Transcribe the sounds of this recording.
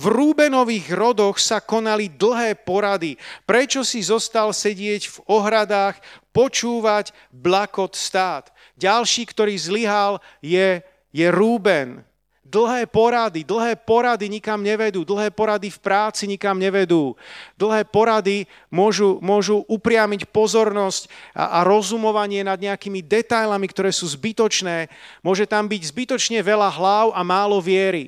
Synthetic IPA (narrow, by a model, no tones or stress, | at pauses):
vɾuːbɛnɔʋiːɣɾɔd̪ɔxsakɔnalid̪l̩ɦɛːpɔɾad̪ipɾɛt͡ʃɔsizɔst̪alsɛɟɪɛɟvɔɦɾad̪aːxpɔt͡ʃuːʋaɟ | blakɔt̪st̪aːd̪̥ | ɟalʃiːkt̪ɔɾiːzliɦal | jɛ | jɛɾuːbɛn | d̪l̩ˠɦɛːpɔɾad̪id̪l̩ˠɦɛːpɔɾad̪iɲikamɲɛʋɛd̪uːd̪l̩ˠɦɛːpɔɾad̪ifpɾaːt͡siɲikamɲɛʋɛd̪uːd̪l̩ˠɦɛːpɔɾad̪i | mʊɔʒumʊɔʒuʔupɾɪamicpɔzɔɾnɔscʔaɾɔzumɔʋaɲɪɛnad̪ɲɛakimid̪ɛt̪ajlamikt̪ɔɾɛːsuːzbit̪ɔt͡ʃnɛːmʊɔʒɛt̪ambiɟzbit̪ɔt͡ʃɲɛʋɛlaɦlaʊʔamaːlɔʋɪɛɾi